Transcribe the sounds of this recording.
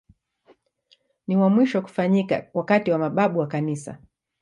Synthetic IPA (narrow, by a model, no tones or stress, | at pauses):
niwamwiʃɔku̥faɲika̰wakatiwamaɓaɓuwakanisa̰